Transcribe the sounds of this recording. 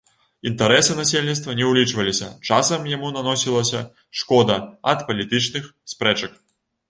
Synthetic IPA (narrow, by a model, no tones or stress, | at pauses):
int̪ɐɾɛsɨnasʲelʲnʲit̪st̪vɐnʲɛwlʲit͡ʂvɐlʲisʲɐ̰t͡ʂasɐmjamunanɔsʲilˠɐsʲɐ̰ | ʂkɔd̪ɐɐt̪pɐlʲit̪ɨt͡ʂnɨxspɾɛt͡ʂɐk